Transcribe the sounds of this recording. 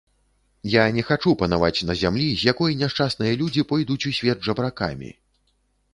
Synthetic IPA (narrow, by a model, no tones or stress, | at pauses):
janʲɛxat͡ʂupɐnava̰t͡sʲnɐzʲamlʲizʲjakɔjnʲaʂt͡ʂasnɨjɐlʲud͡zʲipɔjd̪ut͡sʲusʲvʲɛd̪̚ʐɐbɾaka̰mʲḭ